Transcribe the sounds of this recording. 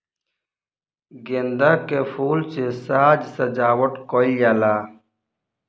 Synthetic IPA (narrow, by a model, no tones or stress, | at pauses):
ɡend̪akefuːlt͡ɕesaːd͡ʑsɐd͡ʑaːwɐʈkoijalaː